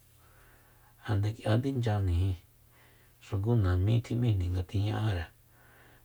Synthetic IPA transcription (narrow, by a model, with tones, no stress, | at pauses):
ha˧nd̪e˧kjʔa˧nd̪i˦nd͡ʒa˧nĩ˨hĩ˧ | ʂu˧ɡu˦nã˨mĩ˦t̪ʰĩ˧mĩ˦˧˨nĩ˨ŋɡa˧t̪i˧ɲã˧ʔa˦ɾa˨